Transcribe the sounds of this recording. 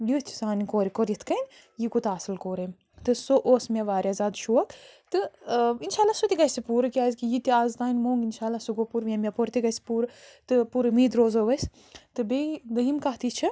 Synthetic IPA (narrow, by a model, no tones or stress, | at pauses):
jut̪ʰi̥saːnikoːɾikoɾʲjit̪ʰkɐnʲ | jikut̪aːsɨlkoːɾɐm | t̪ɨsoʔoːsmeʋaːɾjazaːd̪ʃuɐkt̪ɨinʃaːlːasut̪ikɐsipuːɾɨkʲaːzkijit̪iaːzt̪aːnʲmoːŋɡinʃaːlːasuɡopuɾmʲemʲepoɾʲt̪ikɐsi̥puːɾt̪ɨpuɾmiːd̪ɾoːzoːʋɐs | t̪ɨbed̪ɐɦimkɐɦt̪it͡ʃʰi